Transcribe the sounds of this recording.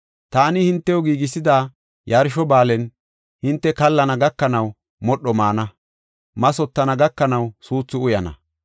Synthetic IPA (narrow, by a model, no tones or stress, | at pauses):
t̪aːnɪhɪnt̪ːɛjɔɡiːɡɪsɪd̪aː | jɐɾʃɔbaːlɛn | hɪnt̪ːɛkɐlːɐnɐɡɐkːɐnɐw | mɔɗːɔmaːnɐ | mɐsɔt̪ːɐnɐɡɐkːɐnɐwsuːt͡sːʊʊjɐnɐ̰